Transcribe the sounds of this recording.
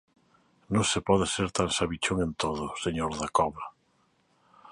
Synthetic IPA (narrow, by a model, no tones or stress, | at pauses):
nõŋsepɔðɪseɾt̪ansaβit͡ʃoŋent̪oðʊseɲoɾðakɔβa